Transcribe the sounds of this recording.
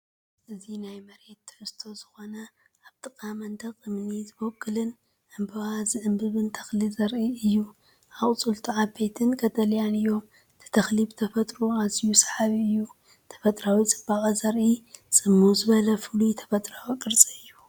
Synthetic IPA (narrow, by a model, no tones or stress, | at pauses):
ʔɨzinajmɐɾe̞t̪ːʰɨ̥ħɨst̪ʰo̞zɨxo̞nɐ | ʔaβt̪ʼɨkʼamɐnd̪ɐkʼɨmnizɨbokʰʼːɨlɨn | ʔɨmbɨwazɨʕɨmbɨβɨnt̪ʰɐ̥xlizɐɾʔiɨjːu | ʔaχʼt͡sʼult̪ʰiʕabe̞t̪ʰɨnɡʰɐt̪ʰʼɐljanɨjːo̞m | t̪ʰɨ̥t̪ʰɐxlibɨt̪ʰɐfɐt̪ʼɾuazijusɐ̥ħaβiɨjːu | t̪ʰɐ̥fɐt̪ʼɾawit͡sʼɨbːakʼɐzɐɾʔit͡sʼɨmːuzɨβɐlɐfɨlut̪ʰɐ̥fɐt̪ʼɾawikʼɨɾt͡sʼɨɨjːu